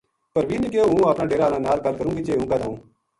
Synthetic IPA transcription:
pəɾʋiːnẽːk̬eoːɦũːaːpnaːɖeːɾaːnãːnaːlkəlkəɾũːɡiːt͡ʃeːɦũːkad̪aːũː

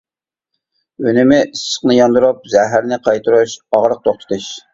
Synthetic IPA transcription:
ønɪmɪʔisːə̥χnɨjɑnd̪uɾup̚zɛɦæɾnɪqʰɑjt̪ʰuɾuʃɑʁɾəq̚t̪ʰoχt̪ʰə̥t̪ɨʃ

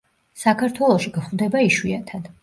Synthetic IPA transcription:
sakʰaɾt̪ʰwɛlˠɔʃiɡ̥χvd̪ɛbaiʃwiat̪ʰad̪̥

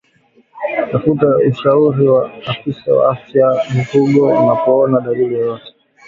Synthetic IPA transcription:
tafutauʃauɾiwaːfisawa̰afjam̩kuɠɔunapɔɔnaɗaliliɔjɔtɛ̥

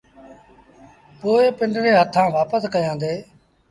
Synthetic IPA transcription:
poːeːpɪɳɖɾẽːɦət̪ʰãːʋaːpəskəjãːnd̪eː

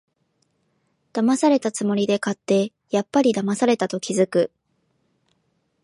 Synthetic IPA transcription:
d̪̥amasaɾe̞t̪at͡sɨmo̞ɾʲid̪e̞kat̪ːe̞ | japːaɾʲid̪amasaɾe̞t̪at̪o̞kʲizɨkɯ̟

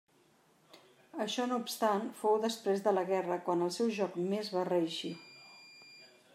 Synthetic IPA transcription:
əʃɔnoupst̪anfowðəspɾezðələɣɛrəkwanəlˠsɛwʒɔkmezβarəəʃi

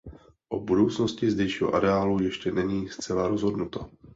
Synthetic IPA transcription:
ʔo̞budo̞wt͡snoscɪzdɛjʃiːɦoʔaɾɛaːlujɛʃcɛnɛɲiːst͡sɛlaɾozɦo̞dnut̪o

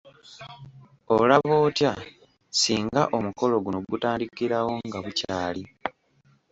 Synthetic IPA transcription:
o̞laβoːtja | siːŋɡaʔo̞muko̞lo̞ɡunoɡutaːndikiɾawo̞ŋɡaβucaːli

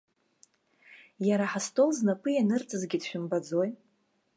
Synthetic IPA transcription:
jaɾaħastʰʼo̞lznapʰʼɨjanɨrt͡sʼɨzɡʲɪdʃᶣʏmbad͡zo̞j

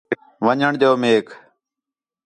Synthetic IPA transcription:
ʋəɲəɳd̪oːmeːkʰ

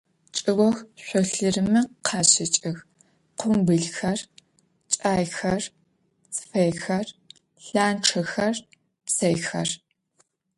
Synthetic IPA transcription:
t͡ʃʼɨɣʷɔxɕʷɔɬɨrɨmɨqʰɑːɕɪt͡ʃʼɪx | qʷʊmbɨɮxɐr | t͡ʃʼaːjxɐr | t͡sʰʼɨ̥fɐjxɐr | ɬaːnʈ͡ʂʰɐxɐr | psɐjxɐ̰r

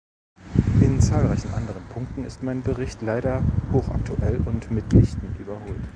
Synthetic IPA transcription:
ʔɪnt͡saːlʁaɪçn̩ʔa̰ndəʁ̞ənpʰʊŋk̚tn̩ɪstmaɪnbəʁɪçtlaɪɾɐhoːxʔa̰k̚tʰuʔɛlʊntmɪtlɪçtn̩ʔyːbɐhoːlt

